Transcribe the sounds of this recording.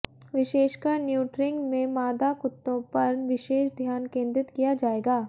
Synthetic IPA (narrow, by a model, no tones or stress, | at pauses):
ʋɪʃeːʃkaɾnjuːʈɾɪ̃ŋɡmẽmaːd̪akʊt̪ːõpɐɾʋɪʃeːʃd̪ʱjaːnkẽːnd̪ɾɪt̪kijad͡ʒaːeːɡaː